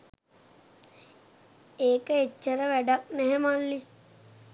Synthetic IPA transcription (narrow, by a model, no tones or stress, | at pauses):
eːkəet͡ʃːəɾəʋæɖak̚nɛɦɛmalːi